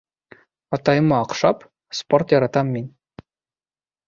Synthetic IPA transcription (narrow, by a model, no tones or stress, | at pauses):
ɑt̪ɑjɤmːɑːqʂɑp | sport̪jɑɾɑt̪ɑmʲːinʲ